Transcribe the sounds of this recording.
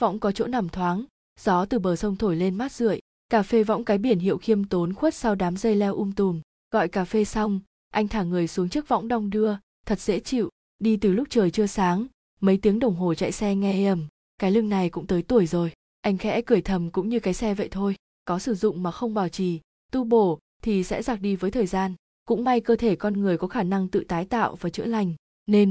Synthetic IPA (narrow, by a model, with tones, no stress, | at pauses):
vɔ̰˧˥wŋ͡mkɔ˨˦t͡ɕo̰˧˥na˨˩mt̪ʰwaː˨˦ŋ | z̥ɔ˨˦t̪ɨ˨˩ɓəː˨˩sə˧wŋ͡mt̪ʰo˧˩jle˧nma˦˥t̚z̥ɨ̰˧˨əj | kaː˧˩fe˧vɔ̰˧˥wŋ͡mkaː˨˦jɓi˧˩ənɦḭ˧˨ə˨wxi˧əmt̪o˨˦nxwt̚sa˧wɗaː˨˦mzə˧jlɛ˧wʔu˧mt̪u˨˩n | ɣɔ̰˧˨jkaː˧˩fe˧sa˧wŋ͡m | ʔa˧jŋ̟t̪ʰaː˧˩ŋɨ˨˩əjsu˨˦ŋt͡ɕɨ˦˥k̚vɔ̰˧˥wŋ͡mɗa˧wŋ͡mɗɨ˧ə | t̪ʰə˨˩t̚z̥ḛ˧˥t͡ɕḭ˧˨w | ɗi˧t̪ɨ˨˩lʊ˦˥k͡p̚t͡ɕəː˨˩jt͡ɕɨ˧əsaː˨˦ŋ | mə˨˦jt̪i˨˦əŋɗə˨˩wŋ͡mɦo˨˩t͡ɕa̰˧˨jsɛ˧ŋɛ˧ʔə˨˧˩m | kaː˨˦jlɨ˧ŋna˨˩jkʊ̰˧˥ŋ͡mt̪əː˨˦jt̪u˧˩əjzo˨˩j | ʔa˧jŋ̟xɛ̰˧˥kɨ˧˩əjt̪ʰə˨˩mkʊ̰˧˥ŋ͡mɲɨ˧kaː˨˦jsɛ˧və̰˧˨jt̪ʰo˧j | kɔ˨˦sɨ˧˩zʊ̰˧˨ŋ͡mmaː˨˩xə˧wŋ͡mɓaː˧˩wt͡ɕi˧˩ | t̪u˧ɓo˧˩ | t̪ʰi˨˩sɛ̰˧˥zaː˨˩k̚ɗi˧vəː˨˦jt̪ʰəː˨˩jzaː˧n | kʊ̰˧˥ŋ͡mma˧jkəː˧t̪ʰe˧˩kɔ˧nŋɨ˨˩əjkɔ˨˦xaː˧˩na˧ŋt̪ɨ̰˧˨t̪aː˨˦jt̪a̰ː˧˨wvaː˨˩t͡ɕɨ̰˧˥la˨˩jŋ̟ | ne˧n